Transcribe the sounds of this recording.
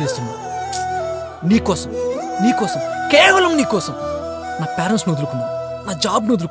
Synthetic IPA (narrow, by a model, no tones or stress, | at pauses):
eːst̪unːa̰ːu | niːkɔːsɐmniːkɔːsɐmkɛːʋɐlɐmniːkɔːsɐm | naːpʲaːɾɐnsnod̪ulukunːa̰ː | naːd͡ʒaːbnod̪ulu